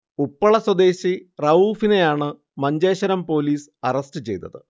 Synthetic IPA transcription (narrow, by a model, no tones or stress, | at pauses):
upːɐɭɐswɐd̪e̞ːɕirɐuːfine̞jaːɳɨ | mɐɲd͡ʑeːɕɐɾɐmpo̞ːliːsɐrɐsʈɨt͡ɕe̞̰jt̪ːɐðɨ̰